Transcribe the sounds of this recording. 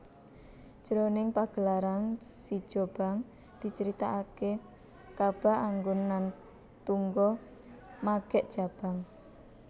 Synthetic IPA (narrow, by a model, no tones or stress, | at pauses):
ʒ̥əɾonɪŋpaɡ̥əlaɾansi̥ʒ̥o̤b̥a̤ŋ | d̪̥i̤t͡ʃəɾit̪aʔake | kab̥a̤aŋɡʊnːan | t̪uŋɡɔ | maɡ̥ɛʔd̥ʒ̥a̤b̥a̤ŋ